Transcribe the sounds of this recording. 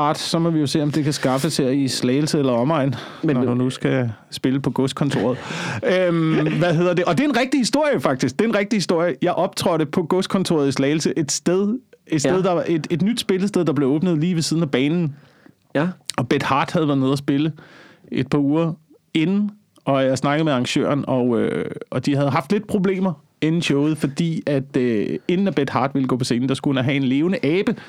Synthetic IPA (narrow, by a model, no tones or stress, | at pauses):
ɑ̈ːd̥sɒ̽mɒ̽ʋijo̝se̝̰ːɒmd̥e̝kʰæsɡ̥ɑ̈fəsheɐ̰islɛɪlsəelɐɒ̽mɑ̈ɪn | nɒd̥unusɡ̥æ | sb̥e̝ləpʰɒ̽ɡ̥ɔsd̥̚kʰɒ̽nt͡sʰo̝̰ːɐð̞̩ˠømʋæɦe̝ð̞ˠɐd̥e̝ʔɒ̽d̥e̝ɐe̝nʁɛɡ̥̚d̥ihisd̥o̝ɐ̰jəfɑ̈ɡ̥̚d̥isɡ̥̚d̥e̝e̝nʁeɡ̥̚d̥ihisd̥o̝ɐ̰jəjɑ̈ɪʔɒ̽b̥̚t͡sʰʁɒɾ̥əpʰɒ̽ɡ̥ɔsd̥̚kʰɒ̽nt͡sʰo̝ːɐð̞̩ˠislɛɪl̩səʔe̝d̥sd̥eðˠed̥sdeð̞ˠd̥ɑ̈ʔed̥e̝d̥nyd̥sb̥e̝ləsd̥eð̞ˠd̥ɑ̈b̥le̝ɔ̽ːb̥nəð̞̩ˠliːʋe̝siðˠn̩æb̥ɛːnn̩ | ɒ̽b̥ed̥hɑ̈ːd̥hæðˠʋæɐðˠne̝ð̰ˠɐsb̥e̝ləe̝d̥̚pʰɑ̈uːɐ | e̝nn̩ | ɒ̽jɑ̈ɪsnɑ̈ɡ̥ð̩ˠmeɑ̈ŋɕø̰ːɐnɒ̽øɒ̽d̥iɦæð̞ˠɦɑ̈fd̥le̝d̥̚pʰʁo̝b̥le̝̰ːmɐ | enn̩ɕɔʊð̩ˠfɒ̽d̥ḭːæd̥øe̝nn̩æb̥ed̥hɑ̈ːd̥ʋe̝ləɡ̥ɔ̰ːpʰɒ̽se̝ːn̩d̥ɑ̈sɡ̥unæɦɛe̝nle̝ːʊnəʔɛːb̥ə